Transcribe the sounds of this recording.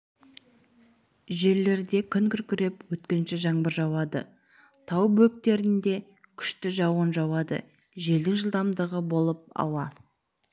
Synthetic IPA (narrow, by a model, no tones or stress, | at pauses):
ʒe̞ɾle̞ɾd̪e̞kʲʰʏnkʲʏɾkʲʏɾe̞pwɵt̪kʲɪnʃɪʒɑɴbəɾʒɑwɑd̪ə̰ | t̪ʰɑwbɵk̚t̪e̞ɾɪnd̪e̞ | kʲʰʏ̥ʃt̪ɪʒɑwənʒɑwɑd̪ə̰ | ʒe̞ld̪ɪŋʒəlˠd̪ɑmd̪əʁəbo̞lˠəp̚ɑ̰wɑ